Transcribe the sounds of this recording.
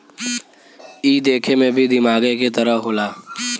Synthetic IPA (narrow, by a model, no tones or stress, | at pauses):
iːd̪eːkʰemẽbʱid̪ɪmaːɡeket̪ɐɾəɦoːlaː